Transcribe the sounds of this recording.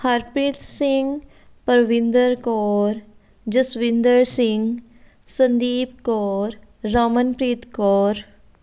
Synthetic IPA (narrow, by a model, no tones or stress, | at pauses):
hɐɾpɾiːt̪sɪ̃ŋɡ | pəɾʋɪ̃nd̪əɾkɔːɾ | d͡ʒɐsʋɪ̃nd̪əɾsɪ̃ŋɡ | sɐ̃nd̪iːpkɔːɾː | aːmənpɾiːt̪kɔːɾ